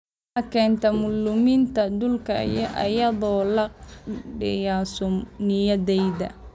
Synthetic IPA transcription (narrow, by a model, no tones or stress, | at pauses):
ħɐkʰɛːnt̪ʰɐmʊlːʊmint̪ʰɐd̪ʊlkʰɐjɔʔɐ̰jɐðɔːlɐɖɪjaːsʊmnɪjɐðɛjðɐ̰